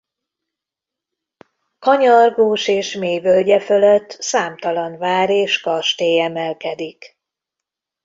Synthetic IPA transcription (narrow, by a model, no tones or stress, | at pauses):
kɒɲɒrɡoːʃeːʃmeːjvølɟɛføløt̪ːsaːmt̪ɒlɒnvaːɾeːʃkɒrʃt̪eːjɛmɛlkɛd̪ik